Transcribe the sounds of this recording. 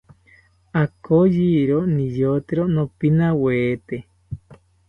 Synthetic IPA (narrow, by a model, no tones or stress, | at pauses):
akojiɾonĩjot̪eɾonõpinãweːt̪e